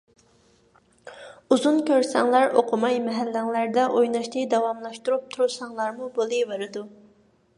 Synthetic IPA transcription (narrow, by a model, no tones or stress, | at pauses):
uzunkʲʰøɾsɛŋlˠæɾʔoqʰʊmɑjmɛɦælːæŋlæɾd̪ɛʔojnɑʃt̪ɨd̪ɑwɑmlˠɑʃt̪uɾup̚t̪ʰuɾusɑŋlˠɑɾmubolˠɨveɾɨd̪u